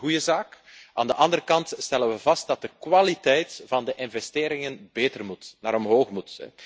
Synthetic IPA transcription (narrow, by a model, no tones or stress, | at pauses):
ujəzaːk | ʔa̰ːndəʔɑndəɾəkɑntstɛlənʋəvɑst̚d̥ɑt̚dəkwalitɛjtv̥ɑndəʔɪnvɛsteːɾɪŋənbeːtərmutnaːɾɔmɦoːxmutɛ̰